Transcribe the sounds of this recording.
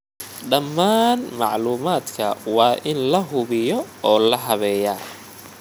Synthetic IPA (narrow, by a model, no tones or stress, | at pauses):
ɖɐmːaːnmɑʕluːmaːd̪kʰɐ̰wɑːʔɪnlɐɦʊβɪjɔɔːlɐɦɐβɛːjaː